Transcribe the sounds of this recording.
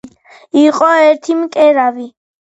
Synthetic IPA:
iqʼɔɛɾt̪ʰimkʼɛɾavi

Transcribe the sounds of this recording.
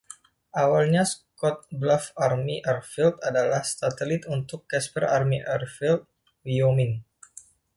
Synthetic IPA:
ʔawalɲaskɔt̪̚blafarmiʔərfilt̪̚adalahst̪at̪əlit̪unt̪ʊkːɛspərarmiʔərfilt̪̚ | wiomin

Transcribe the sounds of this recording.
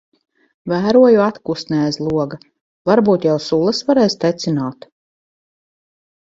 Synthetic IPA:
væːɾuɔjuat̪kust̪nɛːzlˠuɔɡa | vaɾbuːt̪jawsulˠɐsvaɾɛːst̪ɛt̪sinaːt̪

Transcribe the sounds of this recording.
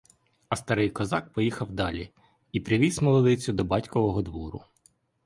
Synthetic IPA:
ɐst̪ɐɾɪjkɔzɑk̚pɔjixɐwd̪ɑlʲi | ipɾʲɪʋʲizmɔlˠɔd̪ɪt͡sʲʊd̪ɔbɑtʲkɔʋɔɦɔd̪ʋɔɾʊ̰

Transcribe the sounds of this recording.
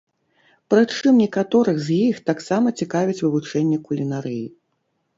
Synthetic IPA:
pɾɨt͡ʂɨmnʲɛkat̪ɔɾɨɣzjixt̪aksamɐt͡sʲikavʲit͡sʲvɨvut͡ʂɛnʲːɛkulʲinaɾɨji

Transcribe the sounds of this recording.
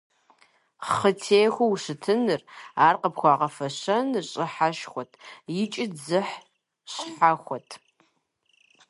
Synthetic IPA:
χətʰeːjxʷɐwɕɨtʰɨnɨraːrqəpxʷɑːʁɐfɐɕɐnɕʼɪħaʃxʷɔtʰjɪt͡ʃʼɪzɨħ | ɕħaxʷɔtʰ

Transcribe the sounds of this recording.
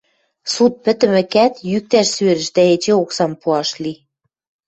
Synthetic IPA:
sut̪̚pɘ̆t̪ɘ̆mɘ̆kæt̪jyk̚t̪æʃsøɾɘ̆ʃd̪æet͡ɕeoksɑmpuɑʃli

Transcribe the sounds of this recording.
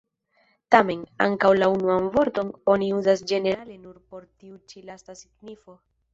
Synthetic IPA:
tame̞na̰ŋkawlaunuanvo̞ɾto̞no̞niuzasd͡ʒe̞ne̞ɾale̞nuɾpo̞ɾtiut͡ʃilastasiɡnifo̞

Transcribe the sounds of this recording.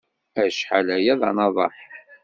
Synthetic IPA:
æʃħalæjæðˤɑ̰nɑðˤɑ̰ħ

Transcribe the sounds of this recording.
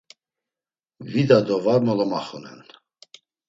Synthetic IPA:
vid̪ad̪ɔvaɾmɔlɔmaχɔnɛ̰n

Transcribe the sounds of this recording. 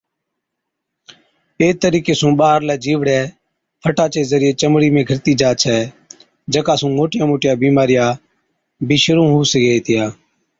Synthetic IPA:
eːt̪əɾiːkeːsũːɓaːəɾlɛːd͡ʒiːʋɽɛː | pʰəʈaːt͡ʃeːzəɾɪjeːt͡ʃəmɽiːmẽːɡʱəɾt̪iːd͡ʒaːt͡ʃʰɛː | d͡ʒəkaːsũːmoːʈɪjãːmoːʈɪjaːbiːmaːɾɪjaː | bʱiːʃəɾũːɦuːseɡeːeːt̪ʰɪjaː

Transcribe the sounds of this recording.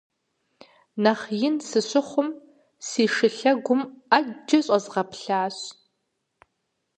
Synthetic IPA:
nɐχjɪnsɨɕʷʊχʷʊm | siːʂɨɬɐɡʷʊmad͡ʒɐɕʼɐzʁɐpɬaːɕ

